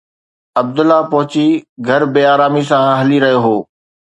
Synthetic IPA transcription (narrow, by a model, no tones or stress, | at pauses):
ɐb̚d̪ʊlːapɐɦʊt͡ɕiɡʱɐɾbeːaːɾaːmisãɦɐliɾɐɦijoɦoː